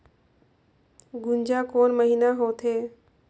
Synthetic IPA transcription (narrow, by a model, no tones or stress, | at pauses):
ɡund͡ʑakoːnməɦinaɦot̪ʰe